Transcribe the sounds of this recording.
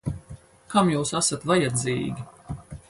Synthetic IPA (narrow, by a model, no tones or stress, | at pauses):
kamjuːsasat̪vajɛd̪ziːɡʲi